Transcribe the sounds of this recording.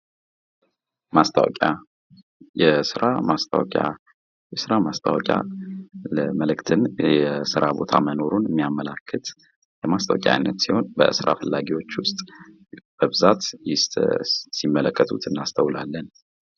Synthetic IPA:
mast̪ʰa̰wɔ̰kʼa | jɛsɨɾamast̪ʰawkʼa | jɛsɨɾamast̪ʼʰawəkʼja̰ləməlɨkt̪ʰɨnjɛsɨɾabo̞t̪ʰaməno̞ɾunɨmːijamːəlakʰːət̪ | jɛmast̪əwəkʼa̰jnːət̪siho̞nbə̰ʔɨsɾʔa̰fəlːaɡiwo̞t͡ʃːwʊst̪ʼ | b̥əbɨzat̪jɪ | simːələkːət̪ʰut̪ʰɨnːast̪ʰəwlalːən

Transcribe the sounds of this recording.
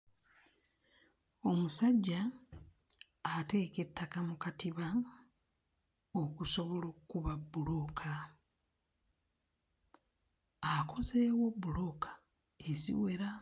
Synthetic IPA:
o̞musaɟːa | te̞ːke̞tːakamukatiβa | o̞kuso̞βo̞lo̞kkuβabːulo̞ːkʰa | akʰo̞ze̞ːwo̞bːulo̞kʰḁ | ezḭwe̞ɾa

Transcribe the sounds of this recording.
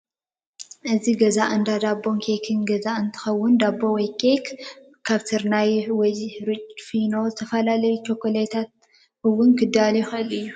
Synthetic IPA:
ʔɨziɡɐzaʔɨnd̪ad̪abo̞ŋkʰekʰɨnɡɐzaʔɨnt̪ʰɨ̥xɐwːʊnd̪abːo̞wɔjkʰek | kʰːaβt̪ʰɨɾnajwɔjɾɨt͡ʃʼfino̞zɨt̪ʰɐfɐlalɐjut͡ʃʰokːolet̪ʰat̪̚ | ɨwʊnkʰɨd̪alɐjuxɨʔɨlɨjːu

